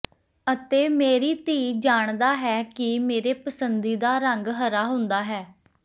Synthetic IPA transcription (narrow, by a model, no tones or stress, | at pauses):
ət̪eːmeːɾiːt̪iːd͡ʒaːɳd̪aːɦɛːkɪmeːɾeːpəsənd̪iːd̪aːɾəŋɡɦəɾaːɦʊ̃nd̪aːɦɛː